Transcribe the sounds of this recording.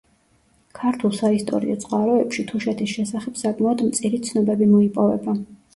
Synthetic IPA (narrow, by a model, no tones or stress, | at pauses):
kʰaɾt̪ʰulˠsaist̪ʼɔ̰ɾḭɔ̰t̪sʼqʼwaɾɔɛpʃit̪ʰuʃɛt̪ʰisʃɛsaχɛpsakʼmaɔd̪mt̪sʼiɾit̪sʰnɔbɛbimɔipʼɔvɛba